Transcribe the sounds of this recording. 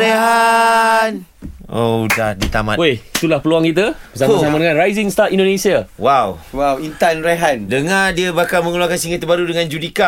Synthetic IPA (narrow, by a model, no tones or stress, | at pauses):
ɾeɦa | nodahdit̪ama̰oit̪ulahpəluaŋkit̪̬abəsasamadəŋãnrajzɪŋst̪at̪indonẽsiawawwawint̪anɾeɦandəŋadiabakalmə̃ŋuluakansiŋit̪ːəbaɾudəŋãnd͡ʒudika